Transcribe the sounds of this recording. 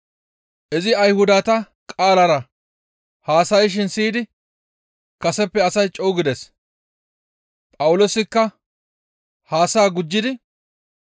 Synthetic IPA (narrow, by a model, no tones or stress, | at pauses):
ʔɪzɪɐjhʊd̪aːt̪ɐ | kʼaːlɐɾɐ | haːsɐjʃ̬ɪnsiːd̪ɪ | kɐsɛpːɛɐsɐjt͡ʃʼɔwɡɪd̪ɛs | pʼɐwʊloːsɪkːɐ | haːsaːɡʊd͡ʒːɪd̪ɪ